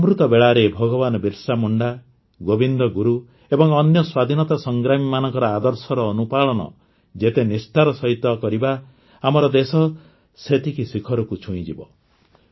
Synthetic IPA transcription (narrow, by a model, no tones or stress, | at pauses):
mɾut̪ɔbeɭaɾebʱɔɡɔβanɔbiɾsamuɳɖa | ɡobind̪ɔɡuɾu | ebɔŋɔnjɔswad̪ʱinɔt̪asɔŋɡɾamimanɔŋkɔɾɔad̪ɔɾsɔɾɔːnupaɭɔnɔ̰ | d͡ʒet̪enist̪ʰaɾɔsɔɦit̪ɔkɔɾibaː | mɔɾɔd̪esɔ | set̪ʰikisikʰɔɾɔkut͡ʃʰuĩd͡ʒibɔ̰